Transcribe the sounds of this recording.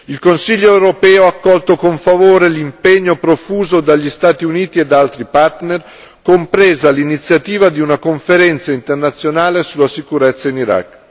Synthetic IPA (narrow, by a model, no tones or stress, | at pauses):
ilkonsiʎːoewɾopɛːoakːɔlt̪okoɱfavoːɾelimpeɲːopɾofuːzod̪aʎːist̪aːt̪iuniːt̪ied̪alt̪ɾipart̪ner | kompɾeːzalinit̪sjat̪iːvad̪iunakoɱfeɾɛnt̪saint̪ernat̪sːjonaːlesulːasikuɾɛt̪sːainiɾa̰kː